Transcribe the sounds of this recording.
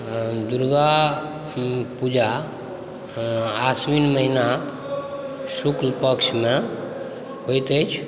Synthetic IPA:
d̪uɾɡa | pud͡ʒa | asʋinməɦinak | suklpəksmẽ | ɦojt̪et͡ʃʰ

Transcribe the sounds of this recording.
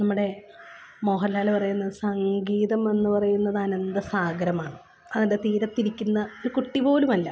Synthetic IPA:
nɐmːuɽe̞ | moːɦɐlaːlepɐrɐjunːɐðɨsɐŋɡiːðɐme̞nːɨpɐrɐjunːɐðɐnɐnd̪ɐsaːɡɾɐmaːɳɨ | ɐðend̪et̪iːɾɐt̪ːiɾikʲːunːɐoɾukuʈːibo̞ːlumɐlːɐ

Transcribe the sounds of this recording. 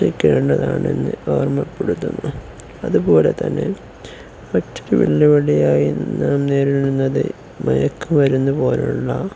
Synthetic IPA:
ikːeːɳɖɐðaːɳe̞̰nːɨoːrmɐpːeɽut̪ːunːu | ɐðupo̞ːle̞t̪ɐnːe̞̰ | mɐtːoɾuʋḭɭːiʋɐɭijaːjinaːmneːɾiɾunːɐðɨ̰ | mɐjɐkːumʋɐɾunːupo̞ːlṵɭːɐ

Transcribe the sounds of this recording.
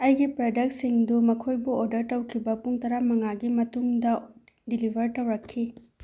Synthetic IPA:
ɐjɡipɾodɐk̚t̚siŋdumɐkʰojbuoɾdɐɾtɐwkʰibɐpuŋtɐɾamɐŋaɡimɐtuŋdɐ | dilibʱɐɾtɐwɾɐkʰːi

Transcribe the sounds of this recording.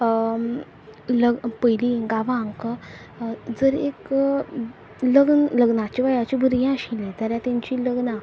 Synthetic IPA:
ləɡpəjliɡaʋãŋk | d͡zəɾḛk | ləɡnləɡnat͡ɕiʋajat͡ɕibʱəɾjãaɕilẽt̪aɾjat̪jãɲt͡ɕiləɡna

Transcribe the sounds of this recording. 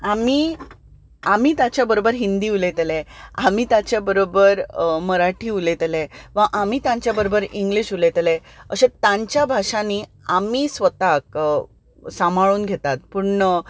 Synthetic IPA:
amiː | am̤iːt̪at͡ɕjabəɾobəɾɦind̪iːulet̪leam̤iːt̪at͡ɕjabəɾobəɾməɾaʈʰiːulet̪leʋãʔam̤iːt̪ãɲt͡ɕjabəɾobəɾiŋɡliɕulet̪leəɕẽt̪ãɲt͡ɕjabʱaʂani | amiːsʋət̪ak̚ | samaɭuːnɡʱet̪at̪̚puɽɳnə

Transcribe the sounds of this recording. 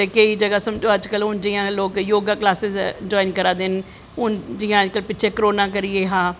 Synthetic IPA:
ekəiːd͡ʒəɡaːsəmd͡ʒoːəd͡ʒkəlɦʊnd͡ʒɪːãːloːkjoːɡaːklaːsɪzd͡ʒɔːinkəɾaːd̪ɪn | ɦʊnd͡ʒɪjãːəd͡ʒkəlpɪːt͡ʃʰeːkəɾoːnãːk̬əɾɪeːɦãː

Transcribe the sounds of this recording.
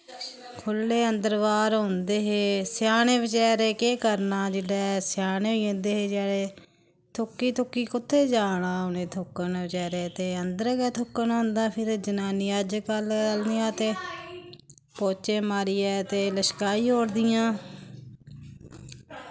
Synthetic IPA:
kʰʊlːeːənd̪əɾʋaːɾɦʊ̃nd̪eːɦeːsjaːnẽːʋɪt͡ʃɛːɾeːkeːkəɾnaːd͡ʒɪɽɛːsɪjaːñeːoiõnd̪eːɦeːd͡ʒɛːɽeː | t̪ʰʊkːiːt̪ʰʊkːiːkʊt̪ʰːeːd͡ʒaːɽãːʊnẽːt̪ʰʊkːənʋɪt͡ʃɛːɾeːt̪eːənd̪əɾɡɛːt̪ʰʊkːənːɦʊ̃nd̪ãːpʰɪɾd͡ʒənaːniːəd͡ʒkələlnijãːt̪eː | poːt͡ʃeːmaːɾiːɛːt̪eːləʃkaːiːɦoːɾd̪ɪjãː

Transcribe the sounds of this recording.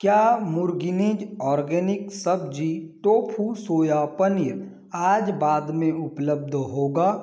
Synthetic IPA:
kjaːmʊɾɡɪnid͡ʒɔːɾɡɛːnɪksəb̚d͡ʒiʈoːpʰusoːjapəniɾ | aːd͡ʒbaːd̪mẽʊpləb̚d̪ʱɦoːɡaː

